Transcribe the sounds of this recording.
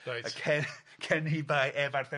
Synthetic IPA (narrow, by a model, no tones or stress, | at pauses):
najakʰɛ | kʰɛnibajʔɛvarθɛ